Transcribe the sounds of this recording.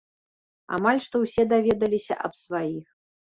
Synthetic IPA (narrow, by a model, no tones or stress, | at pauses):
a̰malʲʂt̪ɔwsʲɛd̪avʲɛd̪ɐlʲisʲɐ̰ʔɐpsvajix